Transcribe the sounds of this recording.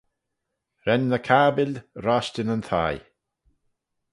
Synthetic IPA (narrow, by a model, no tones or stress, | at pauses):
ɾɛnːəkʰaːbɪlɾaʃtɪnənt̪ʰaj